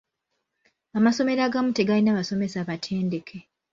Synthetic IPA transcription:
amaso̞me̞ɾaɡamute̞ɡalinaːβaso̞me̞saβatʰe̞ːnde̞kʰe

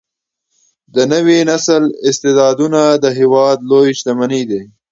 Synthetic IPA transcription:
d̪ənəwinasəlɪst̪ed̪ɑd̪unad̪əɦewɑd̪lojʃt̪amanid̪e

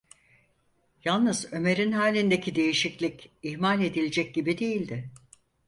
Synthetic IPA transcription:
jalˠnɯzø̞me̞ɾinɦaːlʲind̪e̞cʰid̪e̞jiʃiclʲiciçmalʲe̞d̪ilʲed͡ʒɛc̚ɟibid̪ejilʲd̪ɪ

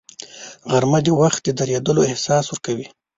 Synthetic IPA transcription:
ɣaɾmad̪ewaxt̪̚d̪əd̪aɾjad̪əloɪhsɑswəɾkawi

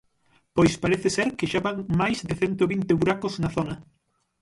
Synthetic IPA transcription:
pojspaɾeθɪseɾkɪʃaβaŋmajzðɪθɛnt̪oβint̪ɪβuɾakʊznaθonɐ

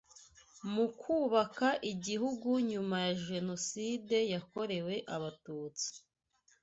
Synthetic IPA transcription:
mukʰuːβakaʔiɟiɦuɡuɲumajaʒe̞no̞side̞jako̞ɾe̞we̞ʔaβatuːt͡si̥

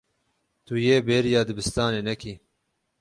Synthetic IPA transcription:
t̪ujeːbeːɾjɑːd̪ɨbɨst̪ɑːneːnɛkʰi

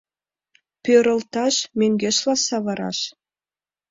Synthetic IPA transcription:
pʲøɾɤ̆lˠt̪ɑʃmʲeŋɡʲeʃlˠɑsɑβɑɾɑ̰ʃ

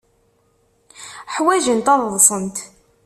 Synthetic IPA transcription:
ħwæʒənt̪ɑðˤðˤsˤənt̪

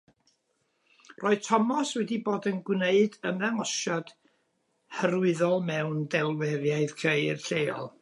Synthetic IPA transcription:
rʔoːɨð̥tʰɔmɔswɛdiboːdənɡwneɨdəmðɛŋɔʃɔd̥ | həɾʊɨðɔlˠmɛwndɛlˠwɛvjaɨð̥kʰejɪ̰rɬejɔ̰lˠ

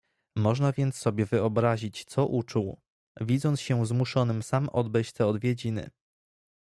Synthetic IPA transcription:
mɔʐnavʲjɛnt̪sːɔbʲjɛvɘɔbɾaʑit͡ɕt̪sɔʔut͡ʂuw | vʲid̪zɔnt̪ɕɛzmuʂɔnɘmsamɔ̰d̪̚bɛjt͡ɕt̪ɛɔd̪vʲjed͡ʑinɘ̰

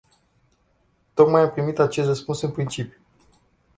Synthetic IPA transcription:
t̪o̞kmajampɾimit̪at͡ʃest̪rəspunsɨnpɾint͡ʃipju

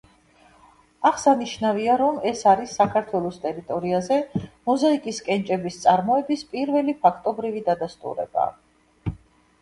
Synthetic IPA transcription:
aχsaniʃnaviaɾɔmɛsaɾisːakʰaɾt̪ʰwɛlˠɔst̪ʼɛɾit̪ʼɔɾiazɛmɔzaikʼiskʼɛnt͡ʃʼɛbist̪sʼaɾmɔɛbispʼiɾvɛlipʰakʰt̪ʼɔbɾivid̪ad̪ast̪ʼṵɾɛ̰ba̰

